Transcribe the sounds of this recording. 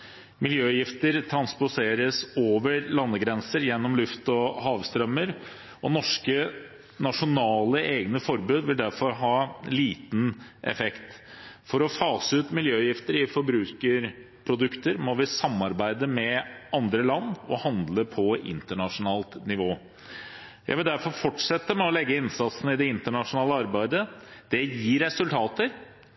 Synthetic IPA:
mɪljøːjɪft̪əɾt̪ʰɾɑnspʊseːɾəsoːʋəɾlɑnːəɡɾɛnsəɾjɛnːɔmlʉft̪ɔhɑːʋst̪ɾœmːəɾ | ɔnɔʂkə | nɑʂʊnɑːləʔeːɡnəfɔɾbʉːd̪ʋɪld̪æɾfɔɾɦɑːliːt̪nʔɛ̰fɛkt̪ | fɔɾɔfɑːsəʉːt̪mɪljøːjɪft̪əɾɪfɔɾbɾʉːkəɾ | pʰɾʊd̪ʉkt̪əɾmɔʋɪsɑmːɑɾbæɪd̪əmɛɑnd̪ɾəlɑnːɔ̰hɑnd̪ləpʰɔʔɪ̰nt̪əɳɑʂʊnɑːlt̪nɪʋoː | jæɪʋɪld̪æɾfɔɾfɔʈʂɛt̪ːəmɛɔlɛɡːəɪnsɑt̪snəɪd̪ɛɪnt̪əɳɑʂʊnɑːləɑɾbæɪd̪əd̪̥ɛjiːɾːɛsʉlt̪ʰɑːt̪əɾ

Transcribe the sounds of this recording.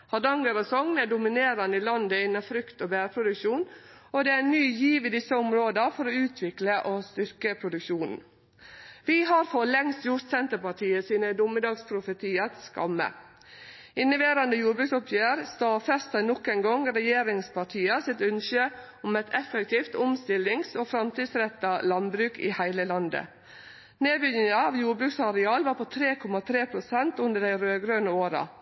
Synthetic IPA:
hɑdɑŋɡəɾəsɔŋnæɖʊmɪneːɾɑnəɪlɑnd̪əɪnːɑfɾʏkt̪oːbæːɾpʰɾʊd̪ʉkʃuːnɔd̪ɛænyːjiːʋɪd̪ɪsːəʊmɾoːd̪əfɔɾɔʉːt̪ʰʋɪkləʔoːst̪ʏɾkəpʰɾʊd̪ʉkʃuːnn̩ | ʋɪɦɑɾfɔlɛŋst̪jʊɾt̪sɛnt̪əpɑʈʰiːəsiːnəd̪ʊmːəd̪ɑːɡspʰɾʊfət̪ʰiːət̪skɑ̰mːə̰ | ɪnːəʋeːɾɑnd̪əjuːɾbɾʉːksɔpʰjøːɾst̪ɑːfɛst̪ɑnɔkːɛnɡɔŋɾɛjeːɾɪŋspʰɑʈʰiːɑsɪt̪ʉnʃø | ɔmɛt̪ʰɛfɛkt̪ʰiːft̪ʊmst̪ɪlɪŋsoːfɾɑmt̪iːd̪sɾɛt̪ːɑlɑnbɾʉːkʰḭːhæɪləlɑnd̪ə̰ | neːbʏnɪŋɑɑːʋjuːɾbɾʉːksɑɾɛɑːlʋɑːɾpʰot̪ʰɾeːkʰɔmɑt̪ʰɾeːpʰɾʊsɛnt̪ʉnd̪əɖæɪɾøːɡɾøːnəoːɾɑ̰

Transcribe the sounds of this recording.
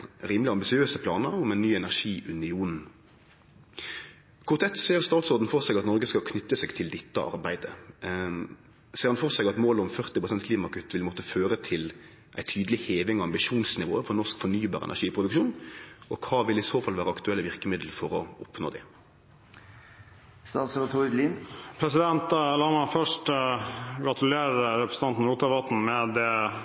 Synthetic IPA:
ɾiːmlɪɑmbɪsɪøːsəpʰlɑːnəɾʊmɛnnyːɛnæʁʂiːʔʉnɪuːnn̩ | kʰʊʁt̪ɛt̪ːseːɾst̪ɑːlsɔɑt̪n̩fɔʁsɛɡɑt̪nɔɾɡəskɑlkʰnʏt̪ːəsɛɡt̪ʰɪld̪ɛt̪ːə̰ʔɑ̰ɾbæɪd̪ə | seːɾɑnfɔʁsɛɡɑt̪moːlʊmfœʁt̪ɪpʁʊsɛnt̪kʰliːmɑkʉt̪ːʋɪlmɔt̪əføːɾət̪ʰɪl | ʔæɪt̪ʰyːd̪əlɪheːʋɪŋɔɑmbɪʃuːnsnɪʋo̰ːəfɔɾnɔʂkfɔnyːbɑːɾɛ̰næ̰ʂiːpʰʁʊd̪ʉkʃuːnʔɔkʰɑːʋɪlɪsoːfɑlʋæːɾəɑkt̪ʉɛlːəʋɪʁkəmɪd̪l̩fɔɾɔʔɔpno̰ːd̪ɛ | st̪ɑːt̪sɾɑt̪ʰod̪liːnpʰɾɛsɪd̪ɛnt̪lɑːmɑfœʂʈ | ɡɾɑt̪ʉleːɾəɾɛpɾəsn̩ɑnt̪n̩ɾuːt̪ɑʋɑt̪n̩mɛd̪ɛ

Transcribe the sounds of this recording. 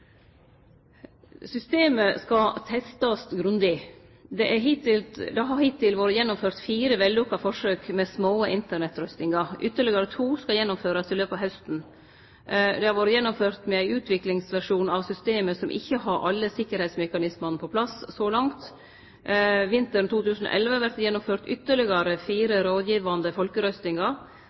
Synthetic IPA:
sʏst̪eːməskɑt̪ʰɛst̪ɑsɡɾʉnd̪ɪ | d̪ɛʔæɦɪt̪ɪld̪ɑɦɑhɪt̪ʰːɪlʋoːɾəjɛnːʊmføːɾt̪fiːɾəʋɛld̪uːkɑfɔʂøːkmɛsmoːəʔɪnt̪əɳɛt̪ːɾœst̪ɪŋɑʔʏt̪ːəɭɪɡəɾət̪ʰuːskɑjɛnːʊmføːɾɑsɪløːpɑʋɦɛst̪n̩ | d̪ɛhɑɾʋoːɾəjɛnːʊmføːɾt̪mɛæɪʉːt̪ʰʋɪklɪŋsʋæʂuːnɑʋsʏst̪eːməsɔmʔɪ̰çːəhɑɾʔɑ̰lːəsɪkːəɾhɛɪt̪smɛkɑnɪsmɑnəpʰɔpʰlɑssɔːlɑŋt̪ | ʋɪnt̪əɾt̪uːt̪ʉːsn̩o̰ʔɛlʋəɑʋæɾt̪jɛnːʊmføːɾt̪ʏt̪ːəɭɪɡɑɾəfiːɾəɾoːd̪jiːʋɑnd̪əfɔlkəɾœst̪ɪŋɑ

